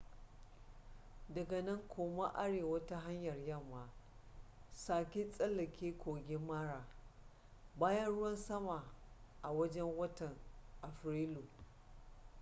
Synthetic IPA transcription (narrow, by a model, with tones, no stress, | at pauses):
dɐ˨ɡɐ˨nɐ˦ŋkʷʰoː˨ma˦ʔa˦ɽeː˨wɐ˦ta˦ɦa˦ɲjɐ˨rjɐ˦˨mːaː˨ | saː˨kʲi˦sʼɐ˦lːɐ˨kʲeː˦kʷʰoː˨ɡʲe˦mːaː˦ɽaː˨ | baː˦jɐ˦nɽʊ˦wɐ˦nsɐ˦ma˨ʔa˨wɐ˦d͡ʒɛ˦ŋwɐ˦tɐ˨ŋʔa˨ɸɾeː˦luː˨